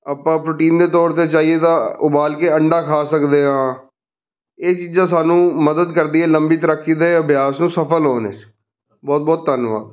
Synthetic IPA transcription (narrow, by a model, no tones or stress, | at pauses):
əpːãːpɾoːʈiːnd̪eːt̪ɔːɾt̪eːt͡ʃaːieːt̪ãːʊbaːlkeːəɳɖaːkʰaːsəkd̪eːɦãː | eːt͡ʃiːzãːs̬aːnũːməd̪əd̪kəɾd̪iːɛːləmbiːt̪əɾəkʰːiːd̪eːəbjaːsnũːsəpʰəlɦoːnḛːs | bɔːt̪̚bɔːt̪̚ːənʋa̰ːd̪